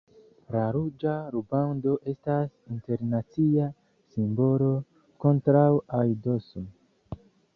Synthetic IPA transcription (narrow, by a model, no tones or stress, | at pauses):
laɾud͡ʒaɾubando̞ʔe̞stasinte̞ɾnat͡sia | simbo̞lo̞ | ko̞ntɾawajdosun